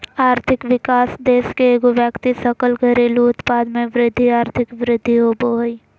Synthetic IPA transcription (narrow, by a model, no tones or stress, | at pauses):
aːɾt̪ʰɪkʋɪkaːsd̪eːskeeːɡoʋjəkt̪isɐkəlɡʱəɾeluʊt̪paːd̪mẽʋɾɪd̪ʱːiaːɾt̪ʰɪkʋɾɪd̪ʱːiɦoːboɦi